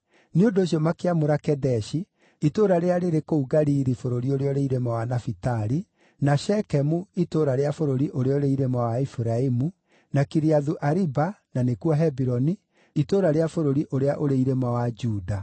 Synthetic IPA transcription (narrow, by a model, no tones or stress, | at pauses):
neondoːɕ̬iɔmakeamoɾakɛdɛʃi | itoɾaɾeaɾeɾekouɡaɾiːɾifoɾoɾioɾeɔoɾeiɾemawanafitaɾi | naʃɛkɛmuitoːɾaɾeafoɾoɾiʔoɾeɔoɾeiɾemawaifuɾaimu | nakiɾiaðuʔaɾibananekuɔɦɛbiɾɔni | itoːɾaɾeafoɾoɾiʔoɾeaʔoɾeiɾemawad͡ʒuːda